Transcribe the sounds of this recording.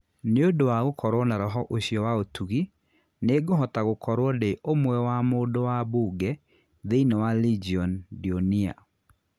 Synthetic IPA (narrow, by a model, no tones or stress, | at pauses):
neodowaɣokʰɔɾwɔnaɾɔɦɔʔoɕjɔwaotʰuɣi | neɡoɦɔtaɣokʰɔɾwɔdeʔomwɛwamodowabuɡɛ | ðeinɔwalid͡ʒiɔndionia̰